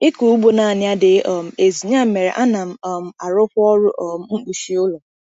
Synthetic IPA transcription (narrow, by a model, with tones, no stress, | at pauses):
ɪ˦ku˨u˦ɡ͡bo˦na˨n˦a˦dɪ˦ɔ˨m̩˨e˨zi˨ɲa˦m̩˦me˨ɾḛ˨ʔa˦na˨m̩˦ɔ˨m̩˨a˨ɾʊ˦kʷʊ˦ɔ˦ɾʊ˦ʔɔ˦˨m̩˦ŋ͡m̩˦k͡pu˨ʃi˨˦ʊ˦lo˨